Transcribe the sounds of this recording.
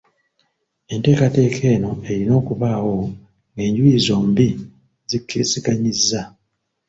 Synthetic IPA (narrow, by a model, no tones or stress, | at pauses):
e̞nte̞ːkate̞ːkʰe̞ːno̞e̞ɾino̞ːkuβaːwo̞ | ŋɡe̞ːɲɟuizo̞ːmbi | zikʰːesikaɲizːa